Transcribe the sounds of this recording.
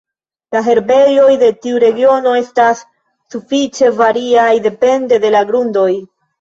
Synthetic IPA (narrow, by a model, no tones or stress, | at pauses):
laɦe̞ɾbe̞jo̞jde̞tiuɾe̞ɡio̞no̞e̞stasː | ufit͡ʃe̞vaɾiajde̞pe̞nde̞de̞laɡɾundo̞j